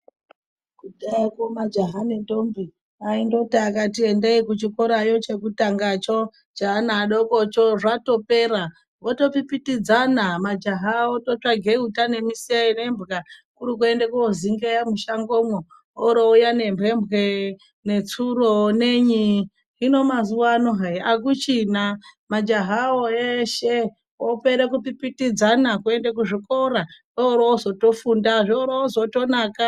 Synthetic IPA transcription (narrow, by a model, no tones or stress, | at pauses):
kuɗakomad͡ʒaɦanendombi | aindo̞taːkatiendeikut͡ʃikoɾajo̞t͡ʃe̞kutaŋɡat͡ʃo | d͡ʒaɦanaːɗokot͡ʃoʐato̞peːɾa | ʋoto̞pipitid͡zanamad͡ʒaɦaotot͡ʂaɡʱeutane̞miseinembɣakuɾukue̞ndekoziŋɡejamuʃaŋɡo̞mwo | oɾoujane̞mbʱembʱɣe | net͡suɾoneɲi | ɦino̞mazuwanoɦaiak̬ut͡ʃinamad͡ʒaɦaoeʃe | opeɾekupipitid͡zanakue̞ndek̬uʐiko̞ɾa | ooɾoozo̞to̞fundaʐooɾoozo̞to̞naːka